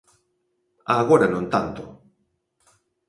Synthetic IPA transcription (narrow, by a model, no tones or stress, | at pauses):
aːɣoɾanõnt̪ant̪o